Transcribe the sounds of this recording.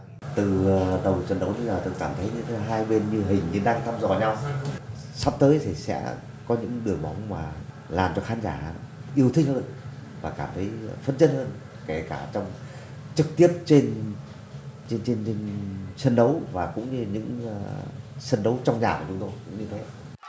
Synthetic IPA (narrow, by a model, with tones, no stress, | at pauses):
t̪ɨ˨˩˨ɗə˨˩wsə˨˧˩nɗə˨˦wt̪ʰɨ˧laː˨˩t̪ɨ˨˩kaː˧˩mt̪ʰə˨˦jɲɨ̰˧˥ŋʰe˨˧˦ɦaː˧jɓe˧nɲɨ˧ɦï˨˩ŋ̟ɲɨ˧ɗaː˧ŋt̪ʰa˧mzɔ̰˧˨˩ɲa˧w | sa˦˥p̚t̪əː˨˦jt̪ʰi˨˩sɛ̰˧˥ | kɔ˨˦ɲɨ̰˧˥ŋɗɨ˨˩əŋɓa˨˦wŋ͡mmaː˨˩ | laː˨˩mt͡ɕɔ˧xaː˨˦nzaː˧˩˧ɗ̰ʔi˧əwt̪ʰï˧ŋ̟həː˧nvaː˨˩kaː˧˩mt̪ʰə˨˦jfə˧nt͡ɕə˧˥n̚həː˧n | ke˧˩kaː˧˩t͡ɕɔ˧wŋ͡m | t͡ɕɨ˨˩k̚t̪i˦˥əp̚t͡ɕe˧n | t͡ɕe˧nt͡ɕe˧nt͡ɕe˧nsə˧nɗə˨˦wvaː˨˩kʊ̰˧˥ŋ͡mɲɨ˧ɲɨ̰˧˥ŋ˧sə˧nɗə˨˦wt͡ɕɔ˧wŋ͡mɲaː˨˩ku˧˩t͡ɕʊ˨˦ŋ͡mt̪o˧jkʊ̰˧˥ŋ͡mɲɨ˧t̪ʰe˨˦˧